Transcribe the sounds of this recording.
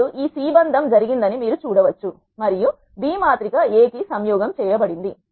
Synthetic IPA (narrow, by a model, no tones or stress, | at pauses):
uʔiːsiːbɐnd̪ʱɐmd͡ʒɐɾiɡind̪ɐnimiːɾut͡ʃuːɽɐʋɐt͡ʃːu | mɐɾiju | biːmaːt̪ɾikɐeːkisɐmjɔːɡɐmt͡ʃɛːjɐbɐɽind̪i